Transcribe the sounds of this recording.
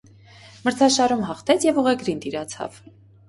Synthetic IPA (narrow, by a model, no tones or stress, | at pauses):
məɾt͡sʰɑʃɑɾumɦɑχt̪ʰɛt͡sʰjɛvuʁɛɡɾint̪iɾɑt͡sʰɑ̰v